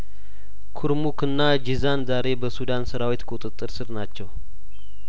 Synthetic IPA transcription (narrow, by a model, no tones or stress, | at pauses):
kʰuɾmukɨnːad͡ʒizanzaɾe̞bəsud̪ansəɾawit̪kʼut̪ʼɨt̪ʼːɨɾsɨɾnat͡ʃːɛw